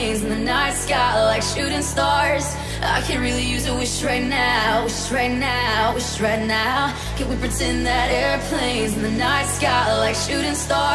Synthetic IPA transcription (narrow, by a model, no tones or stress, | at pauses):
ɪ̃nzn̩ðɨnaɪtskɑʔlaɪkʃʉɾɪ̃ŋstɑɹz̥ | a̰ɪkʰɨ̃nɹɪlˠijʉzɨwɪʃtɹaɪtⁿnaʊwɪʃtɹaɪtⁿnaʊwɪt͡ʃtɹaɪtⁿnaʊ | kʰɨ̃nwipʰɹ̥ɨtʰɛ̃nðɨɾɛɹpʰl̥ẽɪ̃nzn̩ðɨnaɪtskɑlaɪkʃʉɾɪ̃ŋstɑ